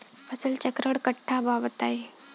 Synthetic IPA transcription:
əsəlt͡ɕəkɾəɽkəʈʰːabaʋt̪ae

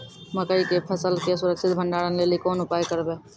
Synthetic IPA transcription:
məkəikepʰəsəlkesʊɾəksʰɪt̪bʱə̃ɳɖaːɽənleːlikɔːnʊpaːjkəɾbeː

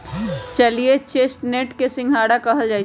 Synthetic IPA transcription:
t͡ʃəlijet͡ʃeːsʈneʈkesɪ̃ŋɡʱɦaːɽakəɦəld͡ʒaːi

